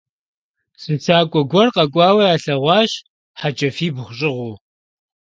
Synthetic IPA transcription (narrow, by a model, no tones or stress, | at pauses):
sɨnt͡sʰaːkʷʼɔɡʷɔrqɐkʷʼɑːwɐjaːɬɐʁʷɑːɕ | ħat͡ʃʼɐfiːbχʷɕʼɪʁʷʊː